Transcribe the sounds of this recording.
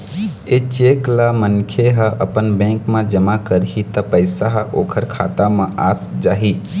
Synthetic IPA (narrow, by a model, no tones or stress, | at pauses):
et͡ʃeːklamənkʰeɦəʔəpənbɛ̃ːŋkmãd͡ʒəmakəɾɦit̪əpəɪsaɦəʔoːkʰəɾkʰa̰ːt̪amãʔaːsd͡ʒaːɦiː